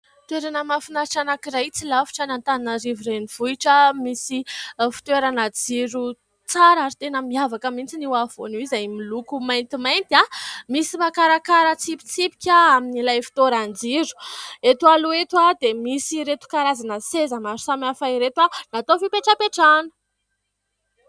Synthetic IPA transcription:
t̪weɾanəmafinaɾʈ͡ʂanakiɾajt͡silafi̥ʈ͡ʂənant̪aninəɾiviɾeniv̥uiʈ͡ʂəmisifi̥t̪weɾanəd͡ziɾu | t͡saɾaɾit̪enəmiavakəmint͡siniwav̥onuizajmilukumajnt̪imajnt̪amisimakaɾakaɾət͡sipi̥t͡sipi̥kʲaaminilajfi̥t̪oɾand͡ziɾu̥et̪aluet̪wad̪emisiɾet̪u̥kaɾazanəsezəmaɾusamafaiɾet̪wanat̪ofipeʈ͡ʂapeʈ͡ʂanə̥

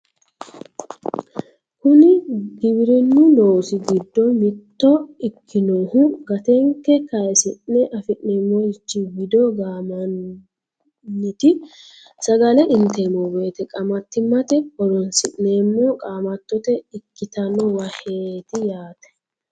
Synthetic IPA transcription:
kʊnɪɡɪbɪɾɛnːʊloːsɪɡɪd̪ːɔmɪt̪ːɔɪkʰːɪnoːhʊɡɐt̪ɛŋkːɛkɐjsɪʔnːɛʔɐfɪʔneːmːɔjɪt͡ʃːɪɡɪd̪ɔɡaːmɐn | ɪt̪ɪ | sɐɡɐlɛʔɪnt̪emɔbeːt̪ɛkʼɐmɐt̪ːɪmːɐt̪ɛkɔɾɔnsɪʔneːmːɔkʼaːmɐt̪ːɔt̪ɛɪkːɪt̪ɐnɔwɐhet̪ɪjaːt̪ɛ̥

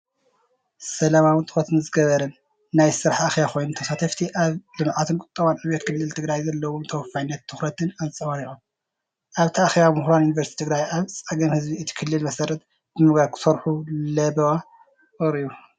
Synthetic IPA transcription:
sɐlamawɨnt̪ʰʼɨ̥xɾɐt̪ɨnɨzɨɡɐβɐɾɐnː | ajsɨɾaħaxβaxʰojnut̪ʰɐsat̪ʰɐft̪ʰiʔaβlɨmʕat̪ʰɨnkʼʊt̪ʼːɐβanʕɨβjet̪̚kʰɨlːɨlt̪ʰɨɡɾajzɐlːɐwumt̪ʰɐwfajnːɐt̪̚ʰːɨxɾɐt̪ʰɨnazɨt͡sʼɐwaɾiʔʼum | ʔaβt̪ʰɐʔaxβamuhɾanjunivɐɾst̪ʰit̪ʰɨɡɾajʔaβt͡sʼɐɡɐmhɨzbiɨt̪ʰi̥kʰɨlːɨlmɐsɐɾɐt̪̚ | bɨmɨɡakʰɨ̥sɐɾħulɐbɐwa | ɨɾiju

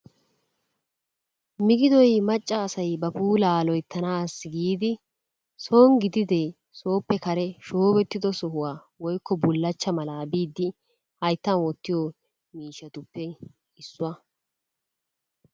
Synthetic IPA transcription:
mɪɡɪd̪ɔjmɐt͡ʃʼːɐːsɐjbɐpuːlaːlɔjt̪ʰːɐnaːsɡiːd̪ɪ | so̞ːŋɡɪd̪ɪd̪ɛ | so̞ːpːɛkɐɾɛʃoːbɛt̪ːɪd̪ɔsɔɦʊwaː | wɔjkːɔbʊlːɐt͡ʃːɐmɐlaːbiːd̪ːɪ | hɐjt̪ːɐnwɔt̪ːɪjoː | miːʃːɐt̪ʊpːɛ | ɪsːʊwɐ

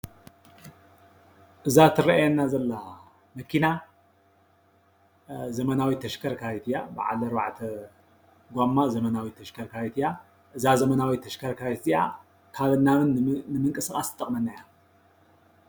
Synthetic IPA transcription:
ʔɨzat̪ʰɨɾɐʔajanːazɐlːa | mɐkʰina | zɐmɐnawit̪ʰɐʃkʰɐɾkʰait̪ʰɨjabɨ̰ʕa̰lɐɾwa̰ʕt̪ʰɐ | ɡʷamːazɐmɐnawit̪ʰːɐʃkʰɐɾkʰait̪ʰɨja | ʔɨzazɐmɐnawit̪ʰːɐʃkʰɐɾkʰait̪ɨja̰ | kʰaβɨnːamɨnnɨmɨŋkʼɨsɨxʼast̪ʼɐkʼmɐnːaja

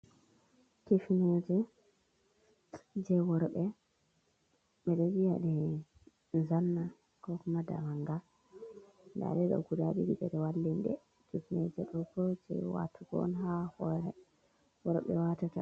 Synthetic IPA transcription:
kefinod͡ʒɛ | d͡ʒɛwɔɾɓɛ | ɓɛled͡ʒijaɗɛ | nzanːa | kɔkɔmada̰maŋɡa | nda̰ɗɛɗɔ̰ɡudaɓibiɓɛɗɛwalːindɛ̰ | d͡ʒutnɛ̰d͡ʒɛɗɔkɔd͡ʒɛ̰wa̰tʰuɡɔ̰nɦahɔɾɛ | wɔɾɓɛ̰watata̰

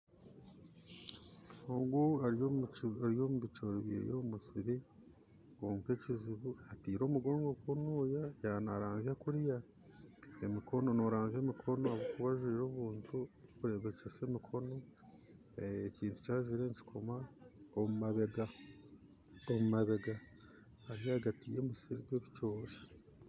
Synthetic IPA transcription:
oːŋɡuaɾ | ɾijo̞ːmuβit͡ʃoɾiβjḛːjomusiɾi | koːŋke̞ciziβuatiːɾo̞ːmuɡo̞ːŋɡo̞kwonoːjajanaɾaːnziakuɾja | emikʰo̞no̞noɾaːnzeːmikʰo̞no̞aβokuβaʒwiːɾoːβuːntukuɾe̞βe̞ceseːmikʰo̞no̞ | ciːntu̥caːʒwiːɾe̞ɲci̥kʰomaomumaβe̞ɡa | omumaβe̞ɡa | haɾijaɡatiːjemisiɾiɡweβit͡ʃoːʃe̥

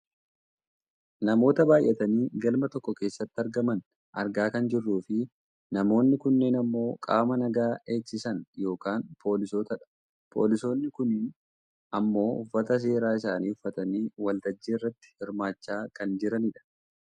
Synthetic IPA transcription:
nɐmo̞ːt̪ɐbaːjʔːɛt̪ɐniːɡɐlmɐt̪ɔkːɔke̞ːsːɐt̪ːɪɐɾɡɐmɐn | ʔɐɾɡaːkɐnd͡ʒɪrːuːfɪ | nɐmo̞ːnːɪkʊnːe̞ːnɐmːo̞ːkʼa̰ːmɐnɐɡaːe̞ːksɪsɐnjo̞ːkaːnpʰo̞ːlɪsoːt̪ɐᶑ | pʰo̞̰ːlɪso̞ːnːɪkʊniːn | ʔɐmːo̞ːʊfːɐt̪ɐs̬e̞ːɾaːɪs̬aːniːʊfːɐt̪ɐniːwɐlt̪ɐd͡ʒːeːɪrːɐt̪ːɪ̥hɪɾmaːt͡ʃːaːkɐnd͡ʒɪɾɐnɪᶑɐ̥

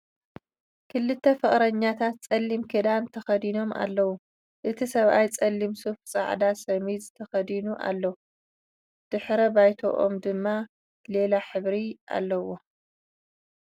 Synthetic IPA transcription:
kʰɨlːɨt̪ʰːɐfɨχʼɾɐɲːat̪ʰat̪̚t͡sʼɐlːimkʰed̪ant̪ʰɐxɐd̪ino̞ma̰lːɐwu | ʔɨt̪ʰisɐβʔajt͡sʼɐlːimsufsʼa̰ʕd̪asɐmizɨt̪ʰɐxɐd̪inuʔa̰lːɐ | d̪̥ɨħɾɐbajt̪ʰo̰ʔo̰md̪ɨmːa | le̞laħɨβɾiʔa̰lːɐwo̞

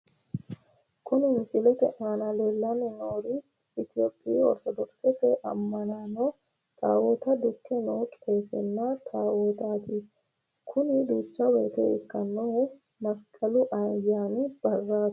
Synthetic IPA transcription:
kʰʊnɪmɪsɪlɛt̪ɛ̰ʔaːnɐleːlːɐnɛnoːɾɪ | ɪt̪ɪjoːpʼːɪiɔ̰ɾt̪ɔd̪ɔksɛt̪ɛʔɐ̰mːɐnanɔ | t̪ʰʼa̰ːwoːt̪ɐd̪ʊkːɛnoːt͡ʃʼeːsɛnːat̪ʰaːwot̪aːt̪ɪ | kʰʊnɪd̪uːt͡ʃːɐwɛt̪ɛ̰ɪkːɐnːo | mɐskʼɐlʊʔɐjnɡaːnɪb̥ɐrːaːt̪

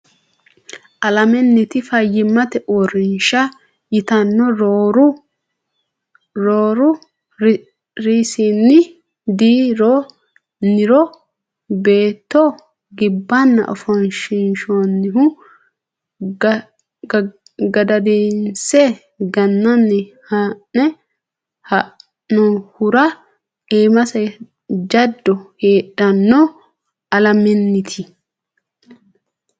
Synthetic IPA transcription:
ʔɐlɐmɛnːɪt̪ɪfɐjːɪmːɐt̪ɛʔoɾɪnʃɐ | jɪt̪ɐnːɔɾoːɾʊ | ɾoːɾʊ | ɾiːsinːɪ | d̪iːɾo | nɪɾɔ | be̞ːt̪ːɔ | ɡɪbːɐnːɐ̰ʔɔ̰fɔnʃɪnʃonːɪɦʊ | ɡɐd̪ɐd̪eːnsɛ | ɡɐnːɐnːɛhannɛ | hɐʔ | nɔhʊɾɐ | eːmɐsɐ | d͡ʒɐd̪ːɔheːᶑɐnːɔ | ɐlɐmɛnːɪt̪ʰɪ

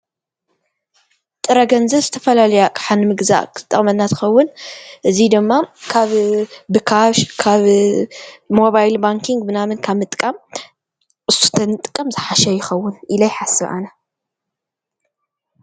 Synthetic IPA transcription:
t̪ʼɨɾɐɡɐnzɐβzɨt̪ʰɐfɐlalɐjakʼħanmɨɡza̰ʔkt̪ʼːɐχʼmɐnːat̪ʰɨ̥xɐwːʊnʔɨzid̪ɨmːakʰaβbɨkʰaʃkʰaβ | mo̞βajlbaŋkʰiŋɡ̚bɨnamɨnkʰaβmɨt̪ʼkʼːam | ɨsu̥t̪ʰɐnɨt̪ʼɨkʼːɐmzɨħaʃɐjɪxɐwːʊnʔilajħasɨβʔa̰nɐ

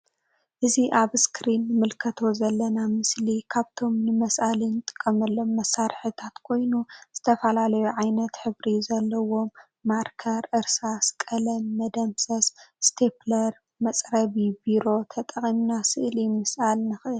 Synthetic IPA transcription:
ʔɨziʔaβskʰɾinːɨmɨlkʰɐt̪ʰo̞zɐlːɐnamɨslikʰaβt̪ʰo̞mnɨmɐsʔalinɨt̪ʼɨ̥kʼːɐmɐlːo̞mːɐsːaɾħɨt̪ʰat̪kʰo̞jnuz̥ɨt̪ʰɐfɐlalɐjuʕajnɐt̪ħɨβɾizɐlːɐwo̞mː | aɾkʰɐɾʔɨɾsaskʼɐlɐmːɐd̪ɐmsɐsst̪ʰeplɐɾ | mɐt͡sʼɾɐβibiɾo̞t̪ʰɐt̪ʼɐχʼimnasɨʔlimɨsʔalnɨxɨʔɨl

